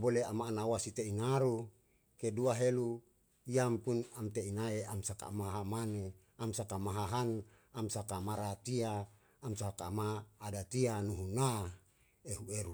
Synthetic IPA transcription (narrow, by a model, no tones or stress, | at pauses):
boleamaːnawasit̪einaɾu | keduaɦelu | iampunamt̪einaeamsaka̰maɦɦamane | amsakamaɦaɦan | amsakamaɾat̪iaː | msakamaːdat̪ianuɦuna | eɦueɾu